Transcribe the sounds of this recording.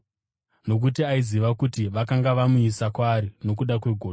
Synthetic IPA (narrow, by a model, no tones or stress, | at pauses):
no̞k̬utiaiziʋakutiʋakaŋɡaʋamuisakwaːɾino̞k̬uɗakwe̞ɡʱoː